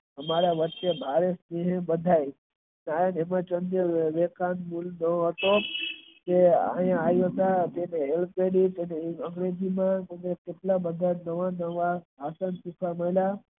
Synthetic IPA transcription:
əmaɾaʋətːʃebʱaɾesneɦẽbəd̪ʱaj | najanemãt͡ʃənd̪əʋekanmulnəɦət̪o | d͡ʒ̪ea̰jãajoɦt̪at̪eneelppeɽit̪eneəŋɡɾed͡ʒimãt̪enekeʈlabəd̪ʱanəʋanəʋaɦasənsukʰaməla

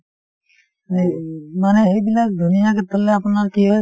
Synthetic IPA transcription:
manɛɦejbilak̚d̪ʱunijakɛt̪ɔlɛapunaɹkijɔ

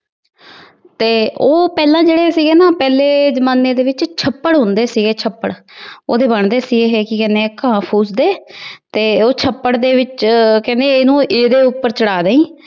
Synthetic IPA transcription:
t̪eːoːpɛːlãːd͡ʒeːɽeːsiːɡeːnaːpɛːleːzəmaːneːd̪eːʋɪt͡ʃt͡ʃʰəpːəɽɦʊ̃nd̪eːsiːɡeːt͡ʃʰəpːəɽoːd̪eːbəɳd̪eːsiːɡeːɦɛːkɪkɛ̃ːneːkãːpʰuːsd̪eːt̪eːoːt͡ʃʰəpːəɽd̪eːʋɪt͡ʃkɛ̃ːnd̪eːnũːʔeːd̪eːʊpːəɾt͡ʃəɽaːd̪ẽːĩː

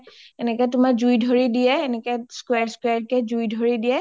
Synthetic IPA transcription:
ɛnɛkɛtʊmaɹzujdʱoɹidijɛːnɛkɛskwɛɹskwaɹkɛzujdʱoɹidijɛ

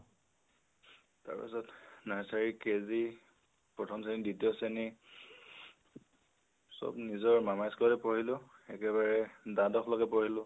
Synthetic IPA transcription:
ta̰ɹpḭsɔtnaɹsaɹikezi | pɹɔtʰɔmseniditijɔseni | sɔ̰bnizɔɹmamajskɔlɛpoɹilʊɛkɛβaɹɛdãdɔkʰlɔkɛpoɹilʊ

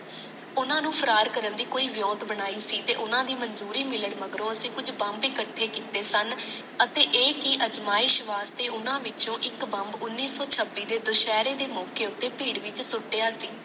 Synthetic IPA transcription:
ʊnãːnũːpʰəɾaːɾkəɾənd̪iːkoːiːʋjoːt̪bəɽ̃aːiːsiːt̪ḛːʔʊnãːd̪iːmənzuːɾiːmɪləɽməɡɾõːəsĩːkʊd͡ʒbə̃mbɪkəʈʰːeːkiːt̪eːsən | ət̪eːʔeːkɪʔəd͡ʒmaːɪːʃʋaːst̪eːʊnãːʋɪt͡ʃõːʔɪkbəmbʊnːiːsɔːt͡ʃʰəbːiːd̪eːd̪ʊʃɛːɾeːd̪eːmɔːkeːʊt̪ːeːpiːɽʋɪt͡ʃsʊʈːeːaːsiː

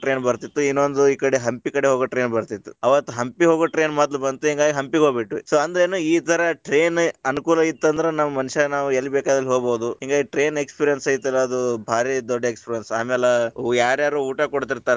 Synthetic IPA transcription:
ʈɾeːnbɐɾt̪it̪ːuinːond̪uiːkɐɽeɦɐmpikɐɽeɦoːɡoʈɾe̞ːnbɐɾt̪it̪ːu̥ɐʋɐt̪ːuɦɐmpiɦoːɡoʈɾe̞ːnmaːd̪lubɐnt̪uɦiŋɡaːɡiɦɐmpiɡoːbiʈːusoːɐnd̪ɐɾeːnuiːt̪ɐɾɐʈɾeːnɐnukuːlɐit̪ːɐnd̪ɐɾenɐmːɐmɐnuʃɐnaːʋuelːibɛːkaːd̪ɐlːiɦoːɡboːd̪uɦiŋɡaːɡiʈɾe̞ːnekspiɾijɐnsɐjit̪ːuilːɐɐd̪ubʱaːɾid̪ɔɖːɐekspiɾijɐnsaːmeːleujaːɾjaːɾuːuːʈakoɽt̪iɾt̪aːɾ

